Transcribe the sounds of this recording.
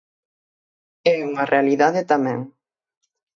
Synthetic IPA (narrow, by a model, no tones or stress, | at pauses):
ɛuŋɐrʔealiðaðet̪amɛ̃ŋ